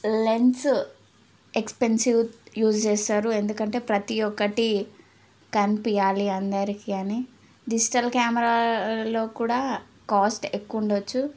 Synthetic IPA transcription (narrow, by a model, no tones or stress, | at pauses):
le̞ns | ekspensiwjuːst͡ʃɛːsaːɾue̞nd̪ukɐɳʈe̞ːpɾɐt̪ijɔkːɐʈi | kɐnpijaːliɐnd̪ɐɾikiɐni | ɖid͡ʒiʈɐlkjaːmɛɾalo̞ːkuːɽaː | kaːsʈekːuɳɖot͡ʃːu